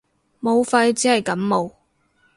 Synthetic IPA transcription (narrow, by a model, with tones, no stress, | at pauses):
mo˨˧wfɐ˧jt͡siː˨˥hɐ˨˩jkɐ˨˥mːo˨˧w